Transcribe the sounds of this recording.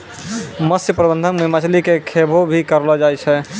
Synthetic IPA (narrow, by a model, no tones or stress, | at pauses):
məsjəpɾəbə̃nd̪ʱənməɦimat͡ʃəlikekʰebʱobʱikəɾlɔd͡ʒajt͡ʃʰɛ